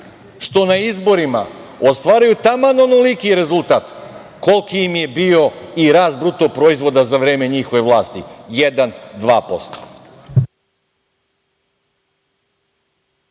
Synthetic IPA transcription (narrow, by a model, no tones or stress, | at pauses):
ʃt̪o̞naizbo̞ɾima̰ost̪ʋaːɾajut̪amanonolikiɾe̞zulˠt̪aːt̪ | ko̞lˠkiimje̞bio̞iɾaːzbɾut̪o̞pɾoizʋo̞d̪azaʋɾe̞ːme̞ɲixo̞ʋe̞ʋlˠaːst̪ḭjed̪and̪ʋaːpo̞st̪o̥